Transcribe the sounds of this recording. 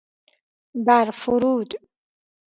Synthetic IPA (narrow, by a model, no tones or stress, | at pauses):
bæɾfuɾuːd̪